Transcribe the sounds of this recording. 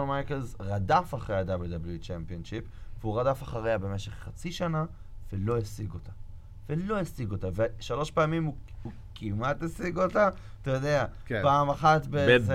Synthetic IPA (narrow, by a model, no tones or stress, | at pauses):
onmajkelzʁadafaχʁejad̪abld̪ablut͡ʃempionʃipveuʁadafaχaʁeabe̞meʃe̞χːat͡siʃana | velo̞esiɡo̞ta | velo̞esiɡo̞taveʃalo̞ʃpeːmimuu | kimatesiɡota | tajod̪eapaːmaχatbe